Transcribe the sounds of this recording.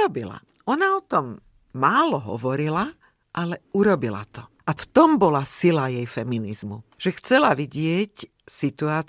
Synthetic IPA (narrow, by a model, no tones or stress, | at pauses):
ɔbila̰ | ɔnaɔt̪ɔmː | aːlɔɦɔ̰ʋɔɾila | ʔalɛuɾɔbila̰t̪ɔʔaft̪ɔmbɔlasilajɛjfɛminizmṵʒ̥ɛxt͡sɛlaʋiɟɪɛc | sit̪uaːt͡s